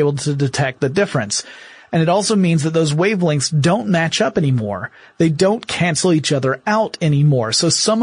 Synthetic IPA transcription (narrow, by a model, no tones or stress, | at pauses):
ɪbl̩ˠtʰɨdɨtʰɛk̪̚ðɨdɪfɹɨ̃ns | ɨ̃nɨɾɔlˠsoʊmĩnzðɨt̪̚ðoʊzweɪvlɪ̃ŋsdõʊ̃nmæt͡ʃʌpɛnimɔ̰ɹ | ðeɪdõʊ̃nkʰæ̃nsl̩ˠit͡ʃʌðə˞aʊɾɛnimɔɹsoʊsʌ̃m